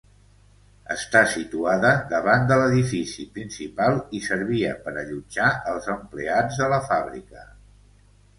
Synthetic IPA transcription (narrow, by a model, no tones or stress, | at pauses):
ə̰st̪asit̪uaðəðəβand̪ələðifisipɾinsipalˠisəɾβ̞iə̰pəɾəʎud͡ʒaəlˠzəmplead͡zðələfaβɾḭkə